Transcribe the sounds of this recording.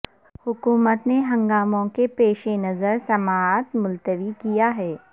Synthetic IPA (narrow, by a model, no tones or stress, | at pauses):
hʊkuːmət̪neɦɐ̃ŋɡaːmõkepeːʃenɐzəɾsɐmaːt̪mʊlt̪əʋikijaɦɛː